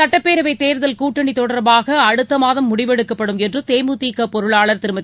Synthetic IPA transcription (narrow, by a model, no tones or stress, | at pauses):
ɐʈːɐpːeːɾɐʋɐɪt̪ːeːɾðɐlkuːʈːɐɳit̪ɔɽɐɾbaːɣɐɐɽɯt̪ːɐmaːðɐmːʊɽɪʋɛɽɯkːɐpːɐɽɯmɛndrɯt̪eːmut̪iːkːɐpɔɾɯɭaːɭɐɾt̪ɪɾɯmɐt̪ː